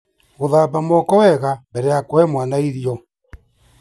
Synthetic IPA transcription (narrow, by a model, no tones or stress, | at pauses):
ɣoðapamɔkɔwɛɣambɛɾɛjakoɛmwanaiɾiɔ